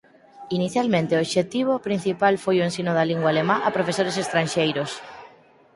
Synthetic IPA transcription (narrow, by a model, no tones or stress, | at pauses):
iniθjalmẽnt̪eoʃet̪iβ̞opɾin̟θipalfojoensinʊðaliŋɡwaːlemãʔapɾofesoɾesest̪ɾanʃejɾos